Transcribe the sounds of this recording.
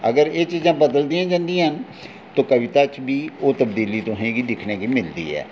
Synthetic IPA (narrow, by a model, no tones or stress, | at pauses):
əɡəɾeːt͡ʃiːzãːbəd̪əld̪ɪjãːd͡ʒãːnd̪iãɦən | t̪oːkəʋɪt̪aːt͡ʃbiːoːt̪əb̚d̪iːliːt̪ʊsẽːɡiːd̪ɪkʰneːkiːmɪld̪ḭːɛ̰ː